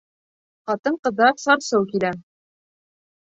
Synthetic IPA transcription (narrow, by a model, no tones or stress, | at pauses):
χɑt̪ɤɴqɤ̆d̪ɑɾsɑɾsɤwkilæ